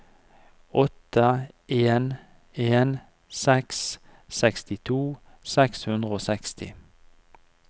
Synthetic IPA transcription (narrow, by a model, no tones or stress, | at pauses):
ɔt̪əʔeːn | eːn | sɛks | sɛkst̪ɪt̪ʰuː | sɛkshʉnd̪ʁəoːsɛkst̪ʰɪ̰